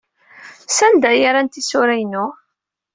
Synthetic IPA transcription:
sænd̪æjaɾant̪isʊɾæjnʊ

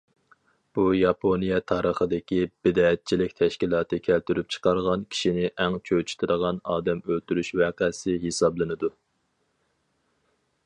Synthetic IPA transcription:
b̥ujɑpʰonijɛt̪ʰɑːɾəχəd̪ɪkʲib̥ɪd̪ɑːɛt̪̚t͡ʃʰilɪkʲt̪ʰɛʃkʲilˠɑːt̪ɨkʲʰælt̪yɾyp̚t͡ʃʰə̥qʰɑɾʁɑnkʲʰi̥ʃinɪʔɛŋt͡ʃʰøt͡ʃʰy̥t̪ʰɨɾəʁɑnɑːd̪ɛmølt̪yɾyʃwæːqæsɪɦesɑblˠɨnɨd̪u

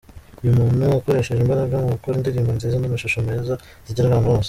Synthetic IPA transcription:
ujumuːnhuako̞ɾe̞ʃeʒembaɾaɡaŋɡukoɾindiɾiːmbonzizindimaʃuʃomeːza | ziɟiɾaβaːnhuwo̞ːse

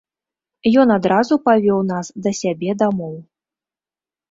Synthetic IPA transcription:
jɔnad̪ɾazupavʲɔwnasd̪ɐsʲabʲɛd̪amɔw

